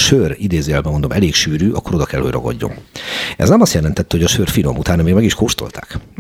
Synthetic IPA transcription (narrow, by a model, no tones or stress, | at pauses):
ʃørid̪eːzeɛlbɛmo̞nd̪o̞mʔɛleːkʃyːɾyːʔɒ̰kːoɾo̞d̪ɒkɛlho̞ɟrɒɡɒ̰ɟːo̞̰nɛ̰znɛmɒst̪jɛlɛnt̪ɛt̪ːɛhoɟɒʃøːrfino̞̰mut̪aːnɒmeːɡmɛɡiʃkoːʃt̪o̞̰lt̪ʰa̰ːk